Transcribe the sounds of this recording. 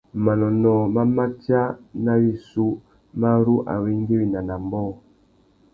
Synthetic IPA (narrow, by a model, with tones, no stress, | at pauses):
ma˨nɔ˨nɔ˨ma˦ma˦t͡ʃa˦na˦wi˦su˦ | ma˦ɾu˦ʔa̰˨wi˦ŋ˦ɡi˦wi˨na˨na˨mbɔ˦˨